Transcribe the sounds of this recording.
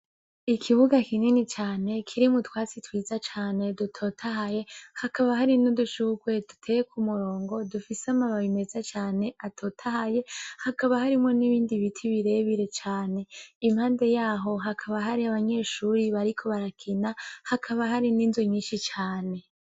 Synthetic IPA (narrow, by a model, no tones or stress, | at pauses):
ikʰiβuɡakininit͡ʃaːne̞kʰiɾimutwaːt͡sitwiːzat͡ʃaːne̞dutʰo̞ːtʰaɦaje̞hakaβaɦaɾinuduʃuɡwe̞dutʰejekʰumuɾo̞ːŋɡo̞dufiseamaβaβime̞zat͡ʃaːne̞ʔatʰo̞ːtʰahaje̞hakaβahaɾimŋo̞niβiːndiβitʰiβiɾe̞βiɾe̞t͡ʃaːne̞imhaːnde̞jaːɦo̞ɦakʰaβaɦaɾiaβaɲe̞ːʃuɾiβaɾikʰo̞βaɾakʰinahakʰaβaɦaɾiniːnzoɲiːnʃit͡ʃaːne̞